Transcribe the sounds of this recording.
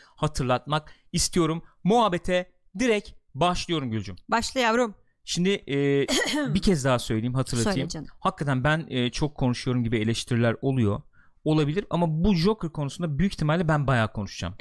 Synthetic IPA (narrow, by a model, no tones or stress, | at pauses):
hat̪ʰɯɾlˠat̪̚mak̚ist̪ʰijo̞ɾumːuɦabet̪ʰɛ | d̪iɾɛcbaʃlˠɯjo̞ɾumɟylʲd͡ʒymbaʃlˠajavɾum | ʃimd̪ɪː | bicʰɛzd̪aɦasøjlʲejimɦat̪ʰɯɾlˠat̪ijimhakːat̪ʰænbænːt͡ʃʰo̞kʰːo̞nuʃujo̞ɾumɟibie̞lʲɛʃt̪ʰiɾilʲæɾo̞lˠujo | olˠabilʲiɾa̰mabud͡ʒo̞kɯɾkʰo̞nusund̪abyjyct̪ʰimalʲːɛbænbajaːkʰo̞nuʃd͡ʒa̰m